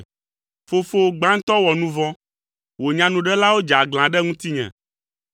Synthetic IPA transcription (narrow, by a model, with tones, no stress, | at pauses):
fo˨fo˦˨ɡ͡bã˦ŋ̩˦t̪ɔ˦wɔ˨nũ˦vɔ̃˦ | wo˨ɲã˨nũ˨ɖɛ˦la˦wo˦d͡ʒa˨ɡl̃ã˨ɖɛ˦ŋũ˦t̪i˦ɲɛ̰̃˨